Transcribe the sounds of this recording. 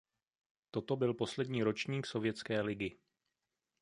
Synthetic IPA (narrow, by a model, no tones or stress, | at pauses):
t̪o̞t̪o̞bɪlpo̞slɛdɲiːɾo̞t͡ʃɲiːkso̞vjɛtt͡skɛːlɪɡɪ